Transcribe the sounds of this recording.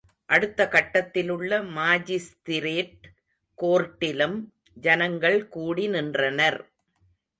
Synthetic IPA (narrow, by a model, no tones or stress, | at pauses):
ʔɐɽɯt̪ːɐkɐʈːɐt̪ːɪlɯɭːɐmaːd͡ʒɪst̪ɪɾeːʈ | koːɾʈːɪlɯm | d͡ʒɐnɐŋɡɐɭkuːɽinɪndrɐnɐɾ